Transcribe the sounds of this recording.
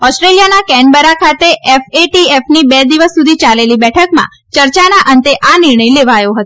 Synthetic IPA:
ɔsʈɾelijanakɛ̃ɳɖbəɾakʰat̪eʔɛfeʈiefnibɛd̪iʋəsːud̪ʱit͡ʃalelibɛʈʰəkmã̰ | t͡ʃəɾt͡ʃanaʔənt̪eʔanɪɾɳəjleʋajoɦət̪o

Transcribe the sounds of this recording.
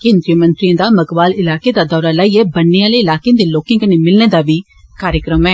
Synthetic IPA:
keːnd̪ɾijomə̃nt̪ɾijãːd̪aːməɡbaːlɪlaːkeːd̪aːd̪ɔːɾaːlaːiːɛːbənːeaːleːɪlaːkẽd̪eːloːkẽkənemɪlneːd̪aːbiː | kaːɾjəkɾəmɛː

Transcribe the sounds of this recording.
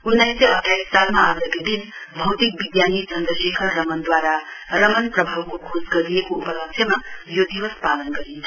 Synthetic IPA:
unːɐjsjeɐʈʰjaisalmɐaɾd̪ɐked̪in | bʱɐwt̪ik̚bid̪janit͡ʃɐnd̪ɐʃekʰɐɾːɐmɐnd̪ʋaɾaɾɐmɐnpɾɐbʱawkukʰoːskɐɾijekuupɐlɐkʃʰjɐmɐjod̪iʋɐspaːlənkɐɾin

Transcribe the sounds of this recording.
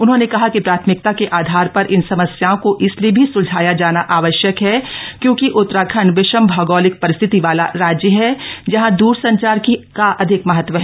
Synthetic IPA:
ʊnɦõːnekɐɦakipɾaːt̪ʰmɪk̚t̪akeʔaːd̪ʱaːɾpɐɾʔɪnsɐməsjaːõkoʔɪsliebʱisʊd͡ʒʱaːjad͡ʒaːnaʔaːʋəʃjəkɦɛkjõːkiʔʊt̪ːɾaːkʰənʋɪʃəmbʱɐɡɔːlɪk̚pɐɾɪst̪ʰɪt̪iʋaːla̰ɾaːd͡ʒjəɦɛd͡ʒɐɦãd̪uːɾsɐ̃ɲt͡ʃaːɾkikaʔɐd̪ʱɪkmɐɦət̪ʋəɦɛ

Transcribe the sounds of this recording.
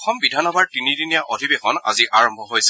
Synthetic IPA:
xɔmbidʱanɔbaɹtinidinijaʔodʱibexɔna̰ziʔaɹɔmbʱɔɦojsɛ

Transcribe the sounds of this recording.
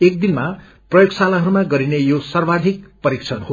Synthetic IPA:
ek̚d̪inma | prʌjoɡsalaɦʌɾumaɡʌɾinejosʌrbad̪ʱikpʌɾikt͡sʰʌnho

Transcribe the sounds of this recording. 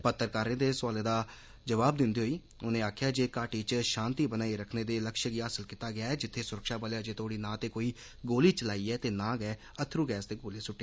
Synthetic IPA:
pət̪ːəɾkaːɾeːd̪eːsʊaːleːd̪aː | d͡ʒəʋaːb̚d̪ɪnd̪iːɦoːiː | ʊnẽːaːkʰjaːd͡ʒeːkaːʈiːt͡ʃʃãːnt̪iːbənaːiɾəkʰneːd̪eːləkʃəkiːaːsəlkiːt̪aːɡɪaːɛːd͡ʒɪt̪ʰːeːsʊɾəkʃaːbəlejaːd͡ʒeːt̪oːɽiːnãːt̪eːkoːiː | ɡoːliːt͡ʃəlaːiːɛːt̪eːnãːɡɛː | ət̪ʰːɾũːɡɛːsd̪eːɡoːliːsʊʈːeː

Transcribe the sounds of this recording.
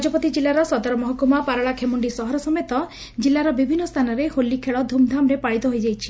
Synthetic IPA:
d͡ʒɔpɔt̪id͡ʒilːaɾɔsɔd̪aɾɔmɔɦɔkumapaɾɔɭakʰemuɳɖisɔɦɔɾɔsɔmet̪ɔ | d͡ʒilːaɾɔbibʱinːɔst̪ʰanɔɾeholːikʰeɭɔd̪ʱumd̪ʱamɾepaɭit̪ɔɦojd͡ʒajt͡ʃʰi̥

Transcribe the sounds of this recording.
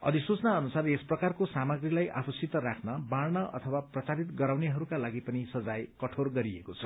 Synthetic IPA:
ʌ̰d̪isut͡snaʌnusaresprʌkarkosamaɡrilajʔa̰pʌsit̪ʌɾakʰnʌbaɽnʌʔʌ̰t̪ʰʌwaprʌt͡saɾit̪ɡʌɾawneɦʌɾukalaɡipʌnisʌd͡zajkʌʈʰorɡʌɾiekot͡sʰʌ̥

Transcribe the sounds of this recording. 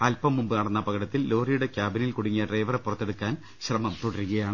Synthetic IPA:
ɐlpɐmːumbɨnɐɽɐnːɐpɐɣɐɽɐt̪ːilːo̞ːrijuɽekʲjaːbinilkuɽiŋːɐʈrɐjʋɐrepːurɐt̪ːe̞ɽukːaːn | ɕrɐmɐmt̪oɽɐɾuɣɐjaːɳɨ

